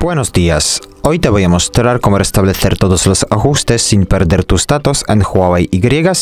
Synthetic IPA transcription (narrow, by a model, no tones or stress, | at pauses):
b̥wenozd̪ias | o̞jt̪eβojamo̞st̪ɾaɾkomorest̪aβleθeɾt̪oðoslosaxust̪esːinpeɾdeɾt̪uzd̪at̪osḛnxwawejiɡɾjeɣas